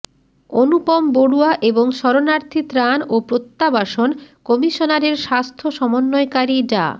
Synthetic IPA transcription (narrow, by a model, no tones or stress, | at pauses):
onupɔmboɽuaʔeboŋʃɔɾonaɾt̪ʰit̪ɾanopɾot̪ːabaʃonkɔmiʃonaɾeɾʃast̪ʰoʃɔmonːoekaɾiɖa̰